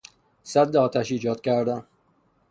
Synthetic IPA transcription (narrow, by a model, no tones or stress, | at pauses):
sæd̪ːeɒːt̪ʰæʃiːd͡ʒɒːd̪̥cʲæɾd̪æn